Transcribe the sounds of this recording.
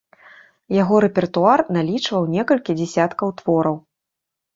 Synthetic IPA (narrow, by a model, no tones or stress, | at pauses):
jaɣɔɾɛpʲɛrt̪uarnalʲit͡ʂvɐwnʲɛkɐlʲkʲid͡zʲɛsʲat̪kɐwt̪vɔɾɐw